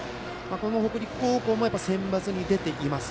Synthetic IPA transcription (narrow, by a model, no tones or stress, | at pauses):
mako̞noho̞kɯ̟ɾʲikːoːko̞ːmo̞japːaisẽ̞mbat͡sɨɲ̟id̪e̞t̪e̞ʔimasɨ̥